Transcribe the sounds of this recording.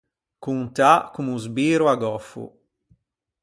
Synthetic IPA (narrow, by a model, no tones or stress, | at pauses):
kunt̪akumuzbiːɾuaɡɔfṵ